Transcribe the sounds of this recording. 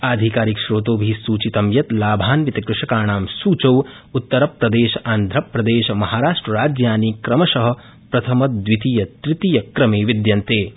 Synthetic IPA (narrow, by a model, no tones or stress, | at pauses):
aːd̪ʱikaːɾikʃɾoːt̪oːbʱisuːt͡ʃit̪ɐmjɐt̪laːbʱaːnʋit̪ɐkɾɪʂɐkaːɳaːmsuːt͡ʃɐw | ut̪ːɐɾɐpɾɐd̪eːʃɐʔaːnd̪ʱɾɐpɾɐd̪eːʃɐmɐɦaːɾaːʂʈɾɐɾaːd͡ʒjaːniːkɾɐmɐʃɐɦɐ̆ | pɾɐt̪ʰɐmɐd̪ʋit̪ijɐt̪ɾɪt̪ijɐkɾɐmeːʋid̪jɐnt̪eː